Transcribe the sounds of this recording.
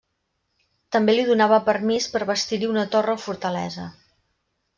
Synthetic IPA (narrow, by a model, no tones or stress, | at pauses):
t̪əmbeliðunaβəpəɾmispəɾβəst̪iɾiunət̪orəfuɾt̪əlɛ̰zə